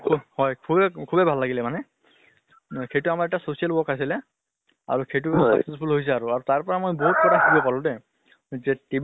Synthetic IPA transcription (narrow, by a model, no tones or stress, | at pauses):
kʰhɔjkʰubɛkʰubɛbʱalːaɡilɛmanɛ | kʰejtʊamaɹɛtasosijalubɔkajs̬ilɛ | a̰ɹuxejt̬usa̰ksespʰulɦojs̬ɛaɹuaɹutaɹpɔɹamojboɦut̚kɔtʰaxʰubiɔpaɹʊ̃tɛ | zɛteb